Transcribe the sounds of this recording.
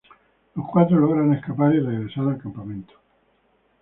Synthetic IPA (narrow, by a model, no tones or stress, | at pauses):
lohkwat̪ɾoloɣɾaneskapaɾireɣɾesaɾalkampamẽnt̪o̥